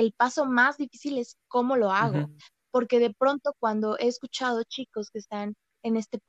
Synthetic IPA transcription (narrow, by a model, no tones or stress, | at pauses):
elpaso̞mazðifisile̞sko̞mo̞lo̞aɣ̞o | po̞ɾke̞ð̞e̞pɾo̞nt̪o̞kwand̪o̞ʔe̞ːskut͡ʃað̞o̞t͡ʃiko̞ske̞ːst̪an | e̞ne̞st̪e